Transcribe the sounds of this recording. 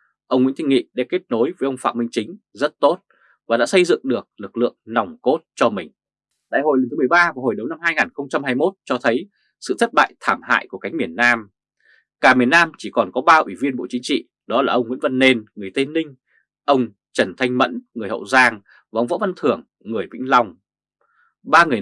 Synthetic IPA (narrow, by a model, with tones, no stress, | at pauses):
ʔə˧wŋ͡mŋḭ˧˥nt̪ʰi˧ŋŋḭ˧˨ɗa˧˥ke˦˥t̚no˨˦jvə˨˦jʔə˧wŋ͡mfa̰ː˧˨mï˧ŋ̟t͡ɕï˨˦ŋ̟ | zə˦˥t̚t̪o˦˥t̚ | vaː˨˩ɗa̰ː˧˥sə˧jzɨ̰˧˨əŋɗɨ˨˩ək̚lɨ˨˩k̚lɨ̰˧˨əŋna˨˩wŋ͡mko˦˥t̚t͡ɕɔ˧mï˨˩ŋ̟ | ɗa̰ː˧˨jho˨˩jlŋt̪ɨ˨˦mɨ˨˩ə˩jɓaː˧va˧˩ho˨˩jɗə˨˦wna˧mhaː˧jŋaː˨˩nxə˧wŋ͡mt͡ɕa˧mhaː˧jmo˦˥t̚t͡ɕɔ˧t̪ʰə˨˦j | sɨ̰˧˨t̪ʰə˦˥t̚ɓa̰ː˧˨jt̪ʰaː˧˩mha̰ː˧˨jku˧˩ka˨˦ŋ̟mi˨˩ənːaː˧m | kaː˧˩mi˨˩ənːaː˧mt͡ɕi˧˩kɔ˨˩nkɔ˨˦ɓaː˧ʔwi˧˩vi˧ənɓo̰˧˨t͡ɕï˨˦ŋ̟t͡ɕḭ˧˨ | ɗɔ˨˦laː˨˩ʔə˧wŋ͡mŋwḭ˧˥ənvə˧nːe˧nŋɨ˨˩əjt̪e˧nːï˧ŋ̟ | ʔə˧wŋ͡m | t͡ɕə˧˩nt̪ʰa˧jŋ̟mə̰˧˥nŋɨ˨˩əjhə̰˧˨wzaː˧ŋ | vaː˨˩ʔə˧wŋ͡mvɔ̰˧˥va˧nt̪ʰɨ˨˩əŋːɨ˨˩əjɓḭ̈˧˥ŋ̟la˧wŋ͡m | ɓaː˧ŋɨ˨˩ə